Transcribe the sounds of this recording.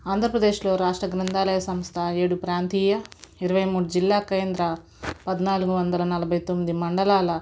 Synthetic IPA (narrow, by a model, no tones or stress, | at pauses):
aːnd̪ʱɾɐpɾɐd̪eːʃlo̞ːɾaːʂʈɾɐɡɾɐnt̪aːlɐjɐsɐmst̪ʰɐeːɽupɾaːnt̪iːjɐiɾɐʋɐjmuːɽud͡ʒilːaːkeːnd̪ɾɐ | pɐd̪naːluɡuʋɐnd̪ɐlɐnɐlɐbʱɐjt̪omːid̪imɐɳɖɐlaːlɐ